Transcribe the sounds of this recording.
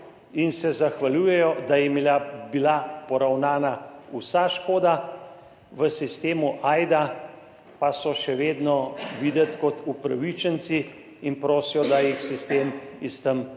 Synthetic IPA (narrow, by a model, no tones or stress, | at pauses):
insɛzaxʋaljujɛjɔd̪ajimilabilapɔɾawnaːnausaʃkoːd̪a | ʋəsist̪eːmuʔaːjd̪a | pasɔʃɛʋeːd̪nɔʋid̪ət̪kɔt̪upɾaʋit͡ʃənt̪siː | npɾoːsijɔd̪ajixsist̪eːm | ist̪əm